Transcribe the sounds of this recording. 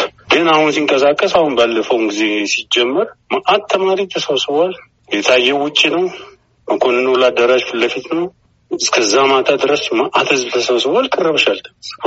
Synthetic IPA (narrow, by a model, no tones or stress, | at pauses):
ɡɨnahunsiŋkʼəs̬akʼːəsahunbalːəfəwnɡize̞sid͡ʒɛmːɨɾmaʔat̪ʰːəmaɾit̪ʰəsəβsɨwal | jɛt̪ʰajːɛwʊt͡ʃʼːinəw | məkʰonɨnːəwlad̪ːəɾad͡ʒfɨləfit̪nəw | ɨskʰəzːamat̪ʰad̪ɨɾəsmaʔat̪hɨzbt̪ʰəsəβsɨwalkʼɨrːəβʃalt̪ʰəəs